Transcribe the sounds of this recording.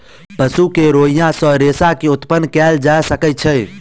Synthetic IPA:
pəsukeɾoijãsə̃ɾesakeut̪pənːkɛld͡ʒasəkət̪̚t͡ʃʰɛ

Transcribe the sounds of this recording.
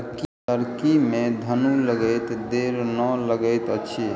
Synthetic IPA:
ki | əɾkimed̪ʱənuləɡəjt̪d̪eɾnələɡəɪt̪ət͡ʃʰi

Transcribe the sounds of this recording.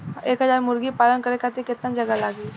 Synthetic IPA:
eːkɦɐzaːɾmʊɾɡipaːlənkəɾekʰat̪ekɪt̪nad͡ʒɐɡalaːɡi

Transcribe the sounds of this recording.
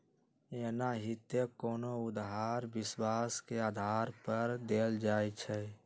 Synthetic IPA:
enaɦɪt̪jekɔːnoʊd̪ɦaːɾbɪswaːskeaːd̪ʱaːɾpəɾd̪eːld͡ʒaːjt͡ʃʰɛ

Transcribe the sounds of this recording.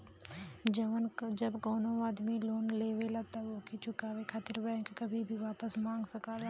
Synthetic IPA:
d͡ʒəʋənd͡ʒɐbɡɔːnoaːd̪miloːnleːʋelat̪aʋoːkit͡ʃʰʊkaːʋekʰaːt̪ɪɾbɛ̃ːŋkkɐbʱibʱiʋaːpəsmãːŋɡsɐkaːwa

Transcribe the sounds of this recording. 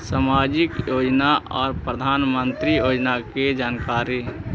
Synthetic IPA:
saːmaːd͡ʒɪkjoːd͡ʒnaɔːɾpɾəd̪ʱaːnmə̃nt̪ɾijoːd͡ʒnaked͡ʒaːnkaːɾi

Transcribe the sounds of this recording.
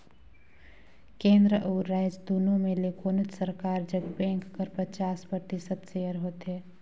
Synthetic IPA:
kẽːnd̪ɾəʔɔːɾːaːɪd͡ʒd̪uːnõmẽlekʰoːnət̪səɾkaːɾd͡ʒəɡbɛ̃ːŋkːəɾpət͡ʃaːspɾət̪ɪsəd̪ʃeːəɾɦoːt̪ɦɛː

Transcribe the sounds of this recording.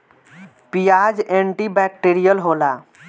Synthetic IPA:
pijaːd͡ʒẽɳʈibɛːk̚ʈeɾijəlɦoːla

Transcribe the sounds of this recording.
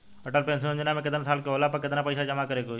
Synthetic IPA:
əʈəlpẽːns̬ĩd͡ʒʊnãːmẽk̬ɪt̪nsaːlkeɦoːlaːpəkɪt̪naːpəːsaːd͡ʒəmaːkəɾeːkoː

